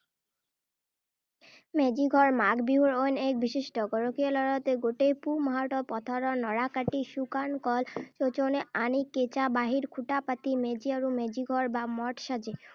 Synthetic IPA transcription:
mɛd͡ʑiɡʱɔɾmaɡbiɦuɾojnek̚biʃiʃʈɔɡɔɾokialɔɾat̪eɡoʈejpumɔɦaʈɔpɔt̪ʰaɾɔnɔɽakaʈiʃukankɔlt͡ɕot͡ɕoneaniket͡ɕabaɦiɾkʰuʈapat̪imed͡ʑiaɾumɛd͡ʑiɡʱɔɾbamɔʈʃad͡ʑe

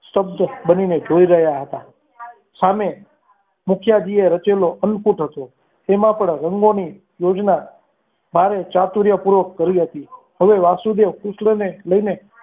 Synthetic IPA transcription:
səb̚d̪ʱbənined͡ʒoiɾəɦjaɦət̪a | same | mʊkʰjad͡ʒieɾət͡ʃeloʔənkuʈɦət̪o | t̪emãpəɳɾəŋɡoni | jod͡ʒna | bʱaɾet͡ʃat̪uɾjapuɾʋəkːəɾiɦət̪i | ɦəʋeʋasud̪eʋkʊsʃləneləine

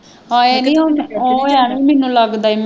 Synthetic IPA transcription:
aːeːnĩːooːãːʋiːmɛnũːləɡd̪aːiːm

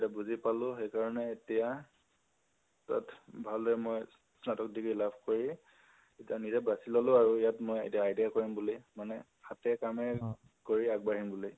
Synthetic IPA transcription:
dabuzipalʊ̃xejkaɹɔnɛːtija | ta̰tʰbʱalɛɛmoj | snatɔk̚dikilabʰʱkoɹi | etianizɛbasilɔlʊaɹuijatmojḛtijaːjdiakoɹimbulimanɛ | xatɛkamɛ | koɹiaɡ̚baɹimbuli

